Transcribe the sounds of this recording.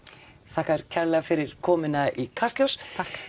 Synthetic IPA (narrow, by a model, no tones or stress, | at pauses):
θahkaɛɾ̥cʰɛɾlɛɣafɪɾɪɾ̥kʰɔːmɪnaikʰast̪ljowsa